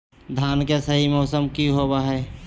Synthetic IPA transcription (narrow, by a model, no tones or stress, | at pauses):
d̪ʱaːnkesəɦimɔːsəmkiɦobaɦɛː